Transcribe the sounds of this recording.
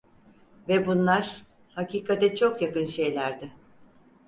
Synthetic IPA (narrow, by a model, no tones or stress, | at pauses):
vɛbunlˠaɾ̥ | haciːkʰat̪ɛt͡ʃʰo̞kjakɯnʃe̞jlʲæɾd̪ɪ